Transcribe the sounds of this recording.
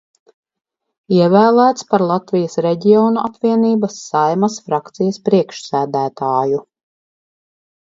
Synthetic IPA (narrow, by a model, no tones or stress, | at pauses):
iɛvæːlˠæːt̪spaɾlˠat̪vijɐsɾeɟiɔːnuʔapviɛniːbɐsːajmasfɾakt̪sijɐspɾiɛkʃsæːd̪æːt̪aːju